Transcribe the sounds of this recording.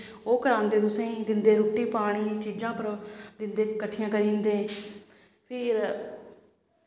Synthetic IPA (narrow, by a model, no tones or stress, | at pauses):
oːkəɾãːnd̪eːt̪ʊsẽːĩːd̪ɪnd̪eːɾoːʈːiːpaːɽ̃iːt͡ʃiːd͡ʒãːpəɾd̪ɪnd̪eːkəʈʰːijãːkəɾĩːnd̪eː | pʰɪɾ